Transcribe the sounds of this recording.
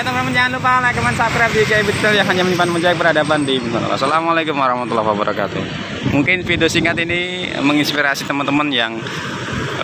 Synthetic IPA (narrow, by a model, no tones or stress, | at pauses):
at̪amɾaməd͡ʒaanlupalakəmansap̚kɾap̚dikabit̪kɛljaŋɦaɲaməɲimpanməɲd͡ʒajk̚bəɾhadapandibəsana̰la̰hsalamalakʊmwaɾɑhmat̪ulːa̰ɦwabəɾʔaka̰t̪ṵ | muŋkɪnfidiosiŋat̪ini | məŋinspiɾasit̪əmənt̪əmənjaŋ